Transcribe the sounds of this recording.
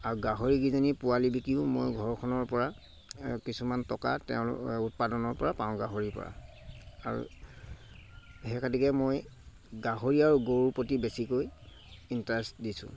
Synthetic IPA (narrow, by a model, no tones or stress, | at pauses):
aɹuɡaɦoɹiɡizanipuwalibikiʊ̃mojɡʱɔɹɔkʰɔnɔɹpɔɹa | kisumantɔka̰tɛ̰ʊ̃l̰ut̚padɔnɔɹpɔɹapãʊ̃ɡaɦoɹipɔ̰ɹa̰a̰ɹṵ | ɦɛkʰatikɛmoj | ɡaɦoɹiaɹuɡoɹupotibesikoj | intaɛsdisʊ̰̃